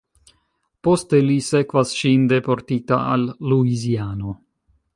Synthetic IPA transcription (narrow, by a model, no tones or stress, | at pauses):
post̪elisekvasʃind̪epoɾt̪it̪a̰a̰lːuiziaːno